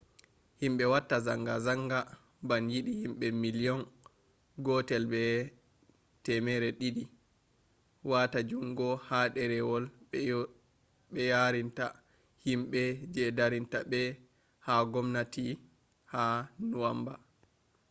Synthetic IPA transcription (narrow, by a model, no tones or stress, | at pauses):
himɓɛwatːaza̰ŋɡazaŋɡa | banjiɗihimɓɛmilijɔn | ɡɔtɛlbɛ | tɛmɛɾɛɗiɗi | watad͡ʒumɡɔhaɗɛɾɛwɔl | ɓɛjaɾinta | himɓɛd͡ʒɛdaɾintabɛ | haɡɔmnati | hanuwamba